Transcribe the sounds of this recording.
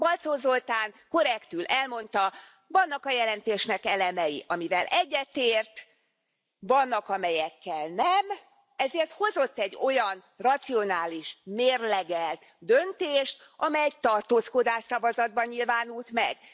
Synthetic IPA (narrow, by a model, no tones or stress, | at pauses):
bɒlt̪soːzo̞lt̪aːŋko̞ɾɛkt̪ylʔɛlmo̞nt̪ɒ | vɒnːɒkɒjɛlɛnt̪eːʃnɛkɛlɛmɛjiʔɒmivɛlʔɛɟːɛt̪eːrt̪ | vɒnːɒkɒmɛjɛkːɛlnɛm | ɛzeːrt̪ho̞zo̞t̪ːɛɟːo̞jɒn | rɒt̪sio̞naːliʃmeːrlɛɡɛlt̪ | d̪ø̞nt̪eːʃt̪ | ʔɒmɛjɛɟ̚t̪ɒrt̪oːsko̞d̪aːʃsɒvɒzɒd̪̚bɒɲɲilvaːnult̪mɛ̰ɡ̥